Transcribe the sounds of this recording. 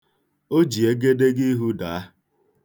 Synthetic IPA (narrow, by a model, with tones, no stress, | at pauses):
o˦d͡ʒi˨e˦ɡe˦de˦ɡi˦ɦu˦da˨a˦